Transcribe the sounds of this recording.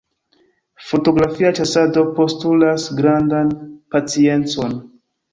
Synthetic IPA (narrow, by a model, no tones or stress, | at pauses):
fo̞to̞ɡɾafiat͡ʃasado̞po̞stulasɡɾandanpat͡sie̞nt͡so̞n